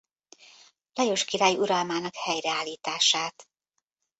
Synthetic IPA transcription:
lɛjo̞ʃkiɾaːjuɾɒlmaːnɒkhɛjrɛaːlːiːt̪aːʃaːt̪

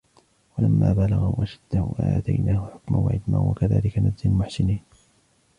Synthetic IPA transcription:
walamːaːbalaɣaʔaʃad̪ːaʔaːt̪ajnaːhʊħʊkmanwa̰ʕɪd̪ma̰nwa̰kaða̰ːlɪkanadzalmʊħsɪniːn

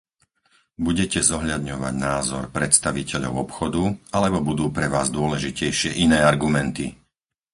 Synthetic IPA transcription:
buɟɛcɛzɔɦʎad̪ɲɔʋa̰ɟnaːzɔ̰ɾpɾɛt̪st̪aʋicɛʎɔ̰ʊɔpxɔd̪ualɛbɔbud̪uːpɾɛʋaːzd̪ʊɔlɛʒicɛjʃɪɛʔinɛːaɾɡumɛnt̪i

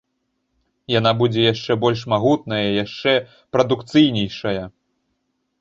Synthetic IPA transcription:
janabud͡zʲɛjaʂt͡ʂɛbɔlʲʂ̬maɣut̪̚nɐjɐjaʂt͡ʂɛ | pɾɐd̪ukt̪sɨjnʲɛjʂɐjɐ

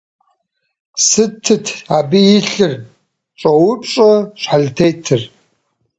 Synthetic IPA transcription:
sɨtʰːɨtʰabiɪɬɨr | ʈ͡ʂʷʼowʊpʼt͡ʃʼɐʃħaɮtʰejtʰɨr

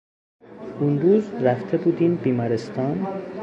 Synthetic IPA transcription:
unɾuːzɾæft̪ʰe̞buːd̪iːnbiːmɒɾest̪ʰɒːn

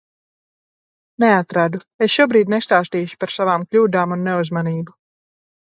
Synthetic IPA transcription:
neat̪ɾad̪uesʃuɔbɾiːd̪ʲnest̪aːst̪iːʃu̥paɾsavaːmklʲuːd̪aːmunːeuzmaniːbu

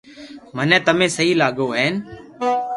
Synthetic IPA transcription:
mənɛ̃ːt̪əmẽːsəɦiːlaːɠoːɦeːn

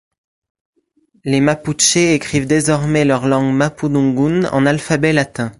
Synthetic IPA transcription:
lemapuʃeekχivd̪ezɔʁmɛlœʁlɑ̃ɡmapud̪ɔ̃ɡunɑ̰̃nalfabɛlat̪ɛ̃

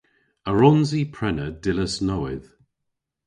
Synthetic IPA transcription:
əɹɔnzipʰɹ̥ɛnəd̥ɪləsnɔwɪð̥

